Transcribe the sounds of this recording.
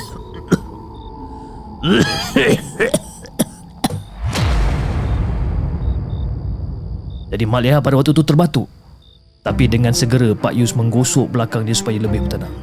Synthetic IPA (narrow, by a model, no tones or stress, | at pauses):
d͡ʒadimaliɦat̪̚padawak̚t̪ut̪ut̪ərbat̪u | t̪apidəŋãnsəɡəɾəpa̰ʔjusmə̃ŋɡosʊʔbəlakaŋdiasu̥pajaləbɪhbərt̪anah